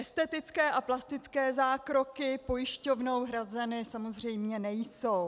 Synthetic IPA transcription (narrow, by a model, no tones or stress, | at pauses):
ʔɛst̪ɛt̪ɪt͡skɛːʔaplast̪ɪt͡skɛːzaːkɾo̞kɪpo̞jɪʃco̞vno̞wɦɾazɛnɪsamo̞zr̝ɛjmɲɛnɛjso̞w